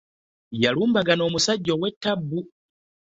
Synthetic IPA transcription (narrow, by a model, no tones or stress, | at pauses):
jaluːmbaɡano̞ːmusaɟːowetːabːu